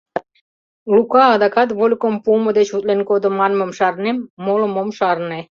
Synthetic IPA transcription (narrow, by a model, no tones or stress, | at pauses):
lukɑːd̪ɑkɑt̪βolʲkompumə̆d̪et͡ɕut̪lenkod̪ə̆mɑnmə̆mʃɑrnemːoləmomʃɑɾne